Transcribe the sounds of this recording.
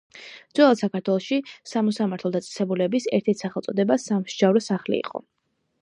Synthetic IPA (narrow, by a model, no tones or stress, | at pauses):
d̪zwɛlˠad̪sakaɾt̪ʰwɛlˠɔʃisamɔsamaɾt̪ʰlˠɔd̪at̪sʼɛ̥sɛbulɛbisɛ̰ɾt̪ʰɛɾt̪ʰsaχɛlˠt̪sʼɔd̪ɛbasamʃd͡ʒavɾɔsaχlḭḭqʼɔ̰